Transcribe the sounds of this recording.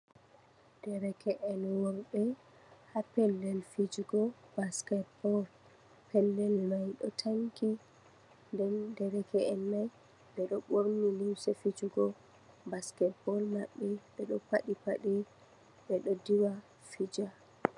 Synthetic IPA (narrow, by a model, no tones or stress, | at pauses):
d̥ɛɾɛkʰɛʔɛnwɔɾɓɛ | hapɛlːɛlfid͡ʒuɡɔb̥askɛtbɔl | pʰɛlːɛlmajɗɔtʰaŋki | ndɛndɛɾɛkɛɛnmaj | dɛɗɔɓoɾniliwsɛfid͡ʒuɡɔ | baskɛtbɔlmaɓːɛɓɛɗɔpaɗipa̰ɗɛ | ɓɛɗɔdiwa | fid͡ʒa